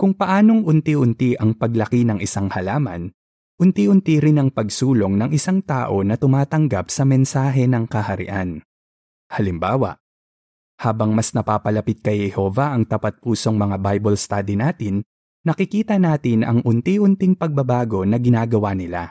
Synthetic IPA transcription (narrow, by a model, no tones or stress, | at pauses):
kʊŋpɐʔaːno̞ŋʔʊnt̪iʔʊnt̪iʔɐŋpɐɡlɐkinɐŋʔɪsaŋhɐlaːmɐ̰n | ʔʊnt̪iʔʊnt̪iɾɪnɐŋpɐɡsuːlo̞ŋnɐŋʔɪsaŋt̪aːʔo̞nɐt̪ʊmaːt̪ɐŋɡapsɐmɛnsaːɦɛnɐŋkɐhɐɾɪ̰ʔan | hɐlɪmbaːwɐ̰ | haːbɐŋmɐsnɐpaːpɐlɐpɪt̪̚kɐjhɛho̞ːvɐʔɐŋt̪ɐpɐt̪̚puːso̞ŋmɐŋabajbɐlst̪aːd̪inaːt̪ɪnː | ɐkɪkiːt̪ɐnaːt̪ɪnʔɐ̰ŋʔʊnt̪iʔʊnt̪ɪŋpɐɡ̚bɐbaːɡo̞nɐɡɪnaːɡɐwaːnɪla̰